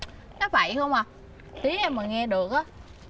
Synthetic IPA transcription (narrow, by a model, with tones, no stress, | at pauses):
nɔ˨˦va̰˧˩jxə˧wŋ͡ma˨˩ | t̪i˨˦a˧mə˨˩ŋɛ˧ɗɨ˨˩ək̚ʔaː˨˦